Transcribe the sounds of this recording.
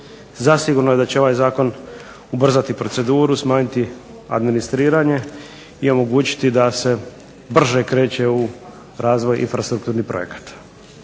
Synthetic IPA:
zasiɡuɾnoje̞d̪at͡ɕeo̞ʋajzaːko̞n | ubr̩zat̪ipɾo̞t̪se̞d̪uːɾusmaːɲit̪i | a̰d̪minist̪ɾiːɾaɲe̞ | io̞mo̞ɡuːt͡ɕi̥t̪id̪ase̞ | br̩ʒekɾe̞ːt͡ɕe̞u | ɾaːzʋo̞jḭnfɾast̪ɾukt̪uːɾnipɾo̰je̞̰kḁt̪

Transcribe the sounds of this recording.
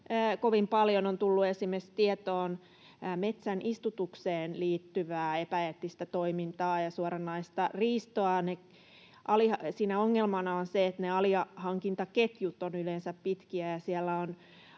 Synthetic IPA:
əːkoʋimpɑljonont̪ulːuesimest̪iet̪oːnː | met̪sænʔist̪ut̪ukseːnliːt̪ːyʋæːepæet̪ːist̪æt̪oimint̪ɑːjɑsuɑɾɑnːɑist̪ɑriːst̪oɑne | ʔɑlisiːnæoŋːelmɑnɑonseet̪neɑliɑhɑŋkint̪ɑket̪jut̪ːonylensæppit̪kiæjɑsiɛlːæon

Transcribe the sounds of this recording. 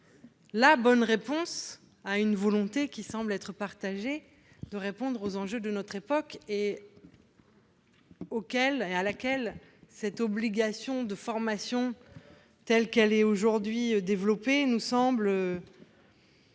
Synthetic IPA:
labɔnʁepɔ̃s | aynvɔlɔ̃t̪ekʲisɑ̃blɛt̪χəpaʁt̪aʒe | d̪̥əʁepɔ̃d̪ʁozɑ̃ʒød̪ənɔt̪χepɔke | okʲɛlealakʲɛl | sɛt̪ɔbliɡasjɔ̃d̪əfɔʁmasjɔ̃ | t̪ɛlkɛlɛoʒuʁd̪ɥiød̪evlɔpenusɑ̃blø

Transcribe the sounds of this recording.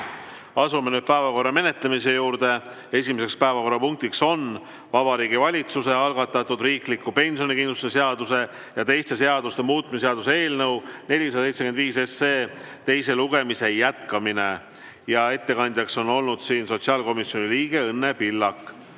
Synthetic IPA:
ɑsumenyːd̪̥̚pæevɑko̞rːɑme̞ne̞t̪lemise̞juːɾd̪e̞ | e̞sʲimese̞kspæe̞vɑko̞rːɑpuŋk̚t̪ikso̞n | vɑb̥ɑɾiːɡivɑlʲit̪suse̞ɑlɡ̥ɑt̪ːˑɑt̪ːˑud̪riːklikːupe̞nʲsio̞nikind̪luse̞se̞ɑd̪̥use̞ | jɑt̪e̞jst̪e̞se̞ɑd̪̥ust̪e̞muːt̪̚ːˑmiseɑd̪usee̞ːlnɤwne̞lʲis̬ɑsejt̪seke̞nd̪viːse̞seː | t̪e̞js̬e̞luɡ̥e̞mise̞jæt̪kɑmine̞ | jɑe̞t̪ːe̞kɑnʲd̪jɑkso̞no̞lnud̪̥siːnso̞t̪siɑːlko̞misjoniliːɡ̥e̞ɤnːe̞pilːɑkːˑ

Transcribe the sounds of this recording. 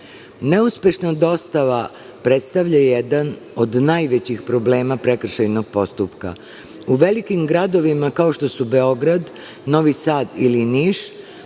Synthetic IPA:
ne̞uspʲje̞ʃnad̪o̞st̪aʋa | pɾet̪st̪aʋʎajed̪an | o̞d̪najʋet͡ɕixpɾo̞bleːmapɾe̞kr̩ʃajno̞ɡ̥̚po̞st̪upka̰ | uʋe̞likimɡɾad̪o̞ʋimakao̞ʃt̪o̞sube̞o̞ɡɾad̪ | no̞ʋisaːd̪iliniːʃ

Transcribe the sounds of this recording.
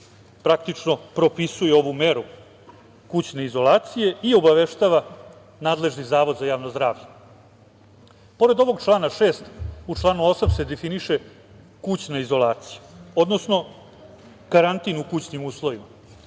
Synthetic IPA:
pɾakt̪it͡ʂno̞pɾo̞pisuje̞o̞ʋume̞ɾu | kut͡ɕneizo̞lˠaːt̪sije̞io̞baʋe̞ʃt̪aːʋa | naːd̪le̞ʐnizaːʋo̞d̪zajaːʋnozd̪ɾaːʋʎe | po̞ɾe̞d̪o̞ʋo̞ɡt͡ʂlˠaːnaʂe̞ːst̪ut͡ʂlˠaːnuo̞samse̞d̪efiniʃe̞ | kut͡ɕnaizo̞lˠaːt̪si̥juo̞d̪nosno̞ | kaɾant̪inukut͡ɕnimuːslˠo̞ʋima

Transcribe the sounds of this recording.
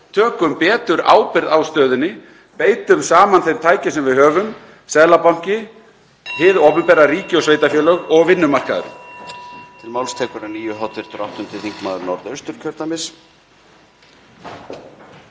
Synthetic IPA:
t̪ʰœːkʏmpɛːt̪ʏɾa̰ːwpɪɾðawst̪œːðʏnːɪ | peːjt̪ʏmsaːmanθejɾ̥t̪ʰaːjcɪsɛmvɪðhœːvʏm | sɛðlapawŋ̥cɪ | hɪːðɔpɛmpɛːɾariːcɪɔsveːjt̪afjœːlœɣɔɣvɪnːʏmar̥kaðʏ̰ɾʏ̰ | t̪ʰɪlmaːwlst̪ʰɛːkʏɾaniːjʏɦɔt̪vɪɾ̥t̪ɾawht̪ʏmt̪ʰɪθiŋkmaːðʏɾnɔɾðœɥst̪ʏɾ̥cʰœɾt̪amɪs

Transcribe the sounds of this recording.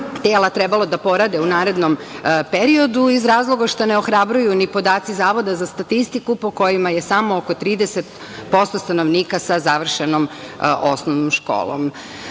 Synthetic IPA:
t̪eːlat̪ɾebalo̞d̪apo̞ɾad̪eunaːɾe̞d̪nompeɾio̞d̪uizɾaːzlˠo̞ɡaʃt̪ane̞o̞xɾabɾujunipo̞d̪aːt̪sizaːʋo̞d̪azast̪at̪ist̪ikupo̞ko̞jimaje̞samookot̪ɾiːd̪eset̪ | po̞st̪ost̪anoʋniːkasazaʋr̩ʃenomosnoʋnomʃko̰ːlo̰m

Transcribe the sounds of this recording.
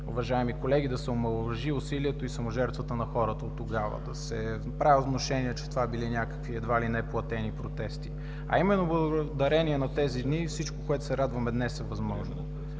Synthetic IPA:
ʊ̰vɐʒaɛmikolɛɡid̪ɐsɛomɐlˠʒiʊsiliɛt̪oisɐmoʒɛɾt̪vɐt̪ənɐxɔɾət̪ɐot̪ːoɡavə̰d̪ɐsɛnɐpɾavɛot̪noʃɛniɛt͡ʃɛ̥t̪ovabilinʲjakə̥kviɛd̪valinɛplˠɐt̪ɛnipɾot̪ɛst̪i | ɐ̰imɛnːoblˠɐɡd̪ɐɾɛniɛnɐt̪ɛzid̪nifsit͡ʃkokoɛt̪ʊ̥sɛɾad̪vɐmɛd̪nɛsɛvɐzmɔʒno

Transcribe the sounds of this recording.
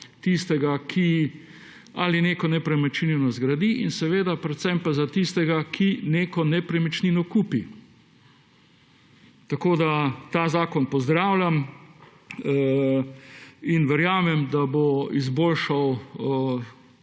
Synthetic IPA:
t̪ist̪ɛɡakʰi | alineːkɔnɛpɾɛmɛt͡ʃininɔzɡɾad̪iʔinsɛʋeːd̪apɾɛt̪sɛmpazat̪ist̪ɛɡakʰineːkɔnɛpɾɛmɛt͡ʃninɔkuːpi | t̪akoːd̪at̪aːzaːkɔnpɔzd̪ɾaːwlʲam | inʋɛɾjaːmɛmd̪aboizboːlʃaw

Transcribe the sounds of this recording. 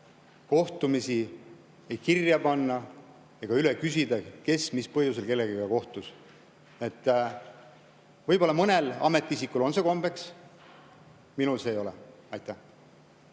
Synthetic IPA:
ko̞ht̪umisi | ejkirjɑpɑnːɑ | eɡ̥ɑylekys̬ʲid̪̥ɑke̞smispɤhjus̬e̞lke̞lːe̞ɡiɡɑko̞ht̪us | e̞t̪ːˑ | vɤjbo̞lːɑmɤne̞lɑ̰me̞t̪ːˑiisikːˑulo̞nse̞ko̞mb̥e̞ks | minulse̞ːjo̞lɛ̰ | ɑjt̪ːˑæh

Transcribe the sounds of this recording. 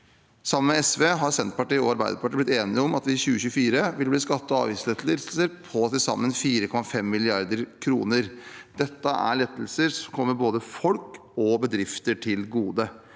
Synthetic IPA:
sɑmːənmɛɛsʋeːɦɑɾsɛnt̪pɑʈiːɔɑɾbæɪd̪əɾpɑʈiːblɪt̪eːnɪɔmɑt̪ʋɪçʉːəçʉːfiːɾəʋɪlbliːskɑt̪ːəɑ̰ːʋɪslɛt̪lɪsl̩səɾpʰɔsɪsɑ̰mːənfiːɾəkʰɔmɑfɛmːɪlɪɑɾd̪əɾkʰɾṵːnəɾd̪̥ɛt̪ːəʔæ̰ɭɛt̪ːl̩səɾsɔmkʰɔmːəɾboːd̪əfɔlk | ɔbəd̪ɾɪft̪əʈʰɪlɡuːd̪ə

